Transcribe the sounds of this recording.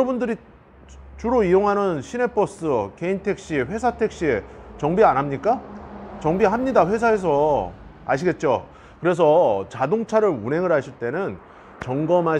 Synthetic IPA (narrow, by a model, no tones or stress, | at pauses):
ʌbundɯɾi | t͡ɕuɾoijoŋɦanɯnɕʰine̞p͈ʰʌs͈ɯke̞intʰe̞k̚ɕ͈iɸwe̞sʰatʰe̞k̚ɕ͈iet͡ɕʌŋbianɦamɲik͈at͡ɕʌŋbiɦamɲidaɸwe̞s̬ʰaes̬ʰʌ | aɕ̬ʰiɡe̞t̚t͡ɕ͈o | kɯɾe̞s̬ʰʌt͡ɕadoŋt͡ɕʰaɾɯɾunɦe̞ŋɯɭɦaɕʰiɭt͈e̞nɯn | t͡ɕʌŋɡʌmɦa